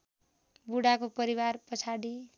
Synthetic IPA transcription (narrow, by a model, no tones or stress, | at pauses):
buɽakopʌɾiwarpʌt͡sʰaɽi